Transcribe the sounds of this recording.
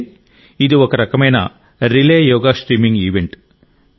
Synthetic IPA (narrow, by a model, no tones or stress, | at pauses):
id̪uokːɐɾɐkɐmɐjnɐ | ɾileːjoːɡaʂʈɾiːmiŋɡiːʋeɳʈ